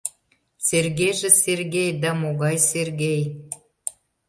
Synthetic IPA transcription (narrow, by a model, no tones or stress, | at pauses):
serɣeʒĕserɣejd̪æmoɣɑjserɣej